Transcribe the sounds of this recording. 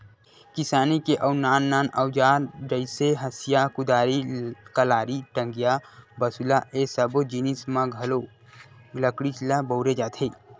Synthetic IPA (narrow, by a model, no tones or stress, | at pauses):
kɪsaːnikeʔəʊnaːnːaːnəwd͡ʒaːɾɾəɪseɦɐsijakʊd̪aːɾikəlaːɾiʈə̃ŋɡjabəsulaʔesəbod͡ʒinismãɡʱɐlo | ləkɽit͡ʃlabəʊɾed͡ʒaːt̪ʰeː